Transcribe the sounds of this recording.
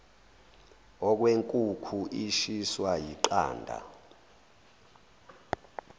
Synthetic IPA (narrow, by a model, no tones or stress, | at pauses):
ɔk̬weŋkʼukʰuʔiʃiswajiǃa̰ːndʱa̰